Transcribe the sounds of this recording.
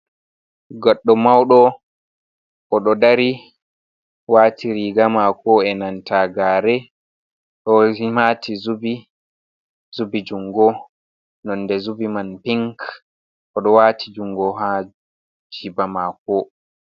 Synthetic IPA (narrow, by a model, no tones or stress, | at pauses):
ɡɔɗːɔmawɗɔ | ʔɔɗɔdaɾi | watiɾiɡamakɔɛnantaɡaːɾɛ | ɗɔhimatʰizubi | zubid͡ʒuŋɡɔ | nɔnːdɛzubimanpiŋk | ʔɔɗɔwaːtʰid͡ʒuŋɡɔɦa | d͡ʒibamakɔ